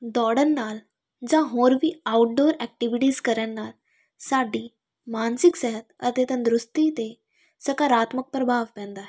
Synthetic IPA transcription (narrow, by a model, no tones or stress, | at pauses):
d̪ɔɽənːal | d͡ʑaɦoɾʋiːawʈ̚ɖoɾɛk̚ʈiʋiʈiːskəɾjanːaɾ | saɖiː | mansiksɛɦət̪̚ə̰ɾt̪et̪ãnd̪ɾust̪iːt̪e | səkaɾat̪mək̚pɾəbʱaʋpɛ̃nd̪a